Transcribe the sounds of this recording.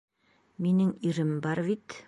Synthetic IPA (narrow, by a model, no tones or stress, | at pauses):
minɘŋiɾɘmbɑɾβit̪